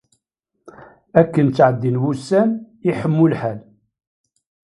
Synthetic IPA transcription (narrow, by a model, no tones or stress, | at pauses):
ækːənt͡sːʕəd̪ːinwusːæn | iħəmːʊlħæl